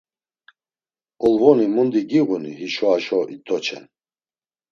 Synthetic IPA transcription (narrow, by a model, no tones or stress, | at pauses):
ɔlvɔnimund̪iɡiʁunḭɦiʃɔaʃɔʔit̪ʰʼɔt͡ʃʰɛ̰n